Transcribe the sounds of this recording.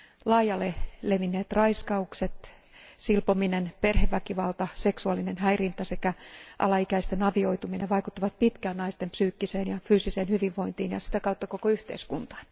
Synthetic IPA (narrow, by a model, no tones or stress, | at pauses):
lɑːjɑlːeleʋinːeːt̪rɑiskɑukset̪ | silpominenperheʋʋːækiʋɑlt̪ɑseksuɑlːinenɦæirint̪æse̞kæʔɑ̰lɑikæist̪enɑʋio̞it̪umineʋʋɑikut̪ːɑʋɑt̪̚pit̪kæːnnɑist̪empsyːkːiseːnjɑfyːsiseːnhyʋiʋʋo̞int̪iːnjɑ̰si̥t̪ækɑut̪ːɑko̞koyht̪ḛiskunt̪ɑ̥ːn